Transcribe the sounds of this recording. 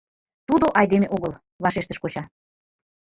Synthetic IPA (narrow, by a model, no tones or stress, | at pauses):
t̪ud̪oʔɑjd̪emeʔoɣəl | βɑʃeʃt̪əʃkot͡ɕɑ